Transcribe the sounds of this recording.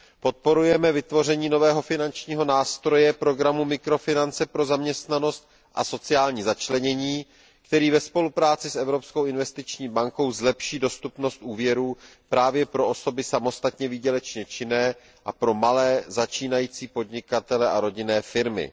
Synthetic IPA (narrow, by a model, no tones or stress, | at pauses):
po̞t̪̚po̞ɾujɛmɛvɪt̪vo̞r̝ɛɲiːno̞vɛːɦo̞fɪnant͡ʃɲiːɦo̞naːst̪ɾo̞jɛpɾo̞ɡɾamumɪkɾo̞fɪnant͡sɛpɾo̞zamɲɛst̪nano̞st̪̚ | ʔa̰so̞t͡sɪjaːlɲiːzat͡ʃlɛɲɛɲiː | kt̪ɛɾiːvɛspo̞lupɾaːt͡sɪsʔɛvɾo̞pskowɪnvɛst̪ɪt͡ʃɲiːbaŋko̞wzlɛpʃiːdo̞st̪upno̞st̪ʔuːvjɛɾuː | pɾʔaːvjɛpɾoʔo̞so̞bɪsamo̞st̪at̪ɲɛvɪːɟɛlɛt͡ʃɲɛt͡ʃɪnɛː | ʔapɾo̞malɛːzat͡ʃiːnajiːt͡siːpo̞dɲɪkat̪ɛlɛʔaɾo̞ɟɪnɛːfɪɾmɪ̰